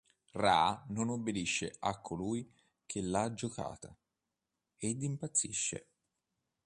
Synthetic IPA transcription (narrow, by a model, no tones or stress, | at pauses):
raːnonobːed̪iʃːeakʰːoluːj | kʰelːad͡ʒoka̰ːt̪a | ed̪ːimpat̪sːḭʃːḛ